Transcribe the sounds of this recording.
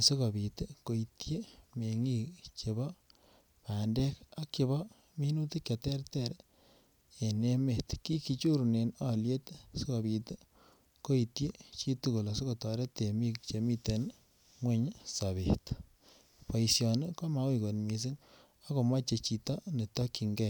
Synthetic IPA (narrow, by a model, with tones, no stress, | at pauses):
si˦ko˨bi˨te˦ko˨i˨tje˦me˨ŋi˦kt͡ʃe˨βɔ˦ | pa˨ndɛ˦ka˦kːe˨˦βɔ˦ | mi˦nu˦ti˦kja˨tɛ˦ɾte˦ɾ | e˨ne˦me˨tki˦ki˧t͡ʃu˦ɾu˨ne˨nɔ˦lje˦t̪si˦ko˨bi˨te˦ | ko˦i˨tje˦t͡ʃi˦tu˦ko˨la˨si˦ko˨tɔ˨ɾe˦te˨mi˦kt͡ʃe˨mi˦te˨n | ŋwe˦ɲsa˨βe˨t | pɔ˨isjɔ˨nɪ˦ko˦ma˨˦wi˨ko˨nmi˨s̬i˦n | ɔ˦ko˨ma˦t͡ʃe˨t͡ʃi˨tɔ˦ne˨tɔ˦ki˨ŋɡɛ˦˨